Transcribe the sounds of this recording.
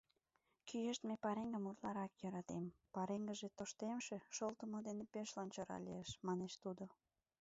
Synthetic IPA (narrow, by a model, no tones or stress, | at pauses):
kʰyjeʃt̪mepɑɾeŋɡəmut̪lɑɾɑkjøɾɑt̪empɑɾeŋɡəʒet̪oʃt̪emʃeʃolt̪əmod̪enepeʃlɑnt͡ɕoɾɑ̰lieʃmɑneʃt̪ud̪o